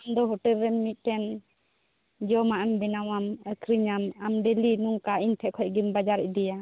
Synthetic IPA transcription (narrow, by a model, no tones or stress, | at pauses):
amd̪ɔɦɔʈɛlɾɛnmit̪̚ˀʈɛn | d͡ʒɔmaʔɛmbɛnawaməkʰɾiɲamamɖɛlinuŋkaiɲt̪ʰɛʔkʰɔʔ̚ɡimbad͡ʒaɾɛʔ̚ˀd̪ɛja